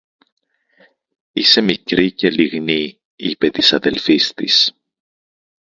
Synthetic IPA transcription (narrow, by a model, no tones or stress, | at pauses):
ise̞mikɾice̞liɣni | ipe̞t̪i̥sɐðe̞lfist̪ḭs